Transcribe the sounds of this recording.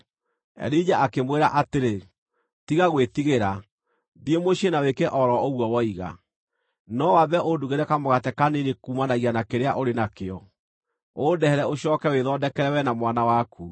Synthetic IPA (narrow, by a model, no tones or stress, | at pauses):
ɛ̰ɾid͡ʑaʔakemweɾaʔateɾe | tiɣaɣwetiɣeɾa | ðiemoɕenawekeʔɔɾɔoɣwɔwɔiɣa̰ | nɔwabɛʔoduɣeɾɛkamoɣatɛkanenekuːmanaɣianakeɾeaʔoɾenakeɔ | odɛhɛɾɛoɕɔkɛweðɔdɛkɛɾɛwɛnamwanawakʰu